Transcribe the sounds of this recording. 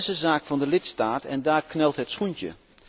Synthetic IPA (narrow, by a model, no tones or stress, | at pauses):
səzaːkfɑndəlɪtstaːtɛ̰ndaːrknɛlˠtɦɛtsχuntjə̰